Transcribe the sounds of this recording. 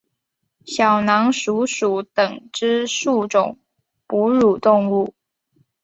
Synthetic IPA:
ɕjɑ˨˩ʊnɑ˧˥ŋʂu˧˥ʂu˨˩˦t̪ə˨˩ŋʈ͡ʂɻ̩˥ʂu˥˩ʈ͡ʂʊ˨˩ŋ | pu˧˥ɻu˨˩t̪ʊ˥˧ŋu˥˩

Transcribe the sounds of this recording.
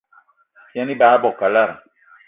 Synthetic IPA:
fi˦ɛ̃˦ni˦baː˦bɔ˨ka˨la˦ɾã˨

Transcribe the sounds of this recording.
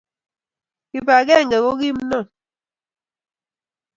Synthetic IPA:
ki˨pa˨kɛ˦˨ŋ̩˨ɡɛ˨kɔ˦ɣi˦m˦nɔ˦˨

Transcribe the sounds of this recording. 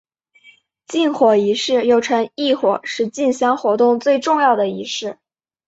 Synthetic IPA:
t͡ɕi˥˩nxwɔ˨˩i˧˥ʂɻ̩˥˩jo˥˩ʊʈ͡ʂʰɤ˧˥ŋi˥˩xwɔ̰˨˩ʂɻ̩˥˧t͡ɕi˥˩nɕjɑ˥ŋxwɔ˧˥t̪ʊ˥˧ŋt͡swe˥˧ɪʈ͡ʂʊ˥˧ŋjɑ˥˩ʊd̪ə˩i˧˥ʂɻ̩˥˩

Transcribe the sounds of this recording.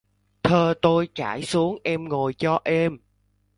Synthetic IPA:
t̪ʰəː˨˩t̪o˧jt͡ɕa̰ː˧˩jsu˨˦əŋʔɛ˧mŋo˨˩jt͡ɕɔ˧ʔɛ˧m

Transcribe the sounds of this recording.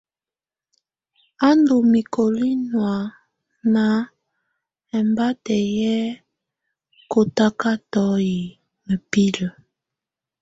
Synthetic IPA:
a˦ndo˨mi˨ko˨li˦nwa˨ | na˨ | ɛ˨mba˦tɛ˨jɛ˦ | ko˨ta˦ka˦tɔ˦ji˨ | mə˨pi˦lə˨

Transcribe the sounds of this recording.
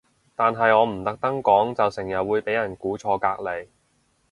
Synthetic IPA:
t̪aː˨nɦɐ˨jɔː˨˧m̩˨˩t̪ɐ˨k̚t̪ɐ˥ŋkɔː˨˥ŋt͡sɐ˨wsɪ˨˩ŋjɐ˨t̚wuː˨˧jpe˨˥jɐ˨˩nkuː˨˥t͡ʃʰɔː˧kaː˧k̚le˨˧j

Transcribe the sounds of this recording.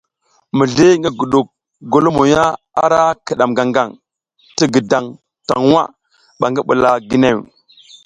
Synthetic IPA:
mi˨ɮi˦ŋɡi˦ɡu˨ɗu˨k̚ | ɡo˨lo˦mo˨ja˦ | a˦ɾa˦ki˨ɗa˨mɡa˨ŋɡa˨ŋ | ti˦ɡə˨da˨ŋ | ta̰˨ŋ˦wa̰˦ | ɓa˨ŋɡi˦ɓṵ˨la˨ɡi˨ne˦˨w

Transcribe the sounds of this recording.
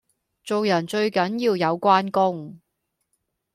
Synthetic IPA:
t͡so˨wjɐ˨˩nt͡ʃɵ˧ɥkɐ˨˥njiː˧wjɐ˨˧wkʷaː˥nkʊ˥ŋ

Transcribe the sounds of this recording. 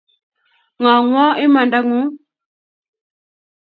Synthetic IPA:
ŋa˨ŋwɔ˦i˦ma˨nda˦ŋu˦

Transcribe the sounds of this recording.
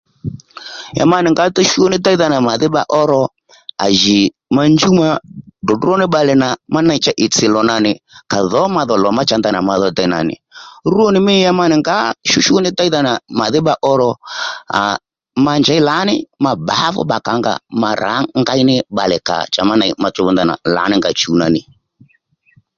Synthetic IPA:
ja̰˨ma˦nɪ˨ŋɡa˨˦tɔ˦ʃu˦ɔ˦nɪ˦ta˦i˦ða˨na˨ma˨ðɪ˦ba˦ʔɔ˦ɾɔ˦ | a̰˨ʒi˨ | ma˦nd͡ʒu˦ma˦dɔ˨du˦ɔ˦nɪ˦ɓa˨lɛ˨na˨ma˦na˦i˨t͡ʃa˦ʔɪ˨t͡sɪ˨lɔ˨na˨nɪ˨ka˨ðɔ˨˦ma˨ðɔ˨lɔ˨ma˦t͡ʃa˦nda˦˨n˨a̰˨ma˨ðɔ˨˦ta˨i˨na̰˨nɪ̰˨ɾu˦ɔ˦nɪ˦mɪ˦a˦ma˦nɪ˨ŋɡa˦ʃu˦ʃu˦nɪ˦ta˦i˦ða˦na˨ma˨ðɪ˦ba˦ʔɔ˦ɾɔ˦a̰˨ | ma˦nd͡ʒa˨˦i˦la˨˦nɪ˦ma˨ba˨˦fɔ̰˦ɓa˨ka˨˦ŋɡa̰˨ma˨ɾʔa̰˨˦ŋɡa˦i˦nɪ˦ba˨lɛ˨ka̰˨t͡ʃa˨ma˦na˨i˨ma˨t͡ʃɔ˦βɔ˦nd̪a˨na̰˨la̰˨˦nɪ˦ŋɡa˨t͡ʃu˨˦na̰˨nɪ˨

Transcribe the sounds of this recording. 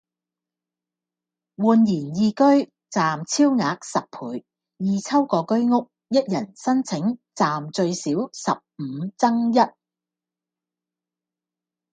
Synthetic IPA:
wuː˨njiː˨˩njiː˧kɵ˥ɥ | t͡saː˨mt͡sʰiː˥wŋaː˨˧k̚sɐ˨p̚pʰuː˨˧j | jiː˧t͡sʰɐ˥wkɔː˧kɵ˥ɥŋʊ˥k̚ | jɐ˥t̚jɐ˨˩nsɐ˥nt͡sʰɪ˨˥ŋt͡saː˨mt͡ʃɵ˧ɥsiː˨˥wsɐ˨p̚m̩˨˧˦t͡sɐ˥ŋjɐ˥t̚

